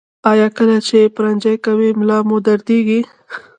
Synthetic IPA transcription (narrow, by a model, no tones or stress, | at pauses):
ɑjɑkəlat͡ʃepʊɾand͡ʒajkawimlɑmod̪aɾd̪eɡi